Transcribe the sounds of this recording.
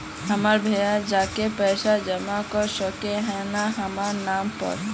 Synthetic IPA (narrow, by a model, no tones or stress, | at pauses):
həmaɾbʱeːad͡ʒaːkepɛːsad͡ʒəmakəɾsəkeɦɛ̃naɦəmaːɾnaːmpə̰ɾ